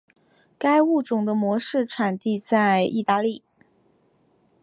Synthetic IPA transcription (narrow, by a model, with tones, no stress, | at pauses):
ka˥ɪu˥˩ʈ͡ʂʊ˨˩ŋd̪ə˦mwɔ˧˥ʂɻ̩˥˩ʈ͡ʂʰa˨˩nt̪i˥˧t͡sa˥˧ɪi˥˧t̪a˥˧li˥˩